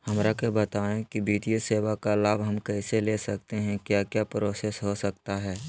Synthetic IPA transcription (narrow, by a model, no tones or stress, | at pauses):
hɐmɾakebət̪aːẽkibiːt̪ijoseːwakalaːbɦɐmkɛːseleːsɐk̚t̪eɦɛ̃kjaːkjapɾoːsɛːsɦosək̚t̪aɦɛː